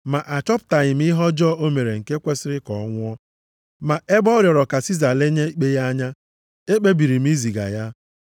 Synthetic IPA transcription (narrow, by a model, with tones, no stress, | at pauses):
ma˨ʔa˨t͡ʃɔ˦pʊ̥˨ta˨ɲɪ˨m̩˦i˦ɦɔ˦d͡ʒɔ˦ʔo˦me˨ɾe˨ŋ̩˨ke˦kʷe˦sɪ˦ɾɪ˦kɔ̰˨˦ŋʷʊ˦ɔ˦ | ma˨ʔe˦bɔ˦ɾjɔ˨ɾɔ˨ka˨si˦za˨le˦ɲe˦k͡pe˦ja˦ɲa˦ | e˦k͡pe˦bi˨ɾi˨m̩˦i˦zi˨ɡa̰˨ja˦